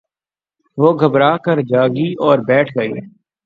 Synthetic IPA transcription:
ʋoːɡʱəbɾaːkəɾd͡ʒaːɡiʔɔːɾbɛːʈʰɡəḭː

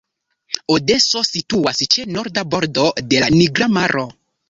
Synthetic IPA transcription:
ode̞so̞situast͡ʃe̞no̞ɾdabo̞ɾdo̞de̞laniɡɾamaɾʔo̞

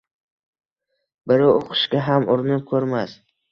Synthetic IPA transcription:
bɪɾaoqʰɨ̥ʃkʲaɦamʊɾnɪp̚kʲʰɵɾmas

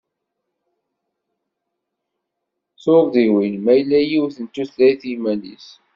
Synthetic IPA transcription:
θoɾˤðiwilmæjlːæjiwθənt̪ːuθlæjθjimælḭs

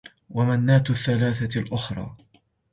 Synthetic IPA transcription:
wamanːaːt̪θːalaːθalʔʊxɾˤɑ̰ː

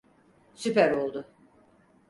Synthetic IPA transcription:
sypæɾolˠd̪ʊ

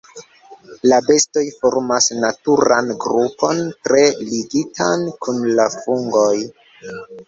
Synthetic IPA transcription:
labe̞sto̞jfo̞ɾmasnatuɾa̰nɡɾupo̞ntɾe̞liɡitʰankunlafuŋɡo̞j

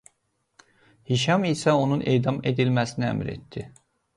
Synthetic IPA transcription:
hiʃɑmisæo̞nunʔḛːd̪ɑme̞d̪ilmæsiniæ̰mɾḛt̪ːd̪i

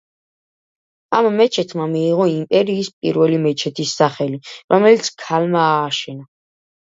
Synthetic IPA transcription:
amːɛt͡ʃʰɛt̪ʰmamiːʁɔimpʼɛɾiːspʼḭɾvɛlimɛt͡ʃʰɛt̪ʰisːaχɛliɾʔɔmɛlit̪sʰkʰalmaːʃɛna

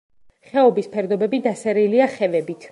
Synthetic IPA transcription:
χɛɔbispʰɛɾd̪ɔbɛbid̪asɛɾiliaχɛvɛbit̪ʰ

